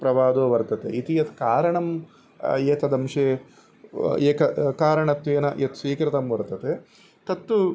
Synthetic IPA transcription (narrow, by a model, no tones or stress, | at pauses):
pɾɐʋaːd̪oːʋɐɾt̪ɐt̪ḛit̪ijɐt̪kaːɾɐɳɐm | eːt̪ɐd̪ɐmʂeː | eːkɐkaːɾɐɳɐt̪ʋeːnɐʔet̪sʋiːkɾɐt̪ɐmʋɐɾt̪ɐt̪e | t̪ɐt̪ːu